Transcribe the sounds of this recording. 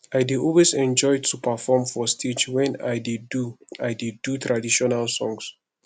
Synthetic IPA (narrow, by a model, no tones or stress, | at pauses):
ajdiɔlwesɛ̃nd͡ʒɔjd̚tʰupʰafɔmfɔstʰid͡ʒwɛ̃najdidduajdidutʰɹadiʃɔnalsɔ̃ŋs